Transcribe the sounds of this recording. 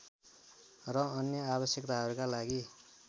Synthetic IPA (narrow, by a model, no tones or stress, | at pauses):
rʌːnjʌabʌsjʌkt̪aɦʌɾukalaɡi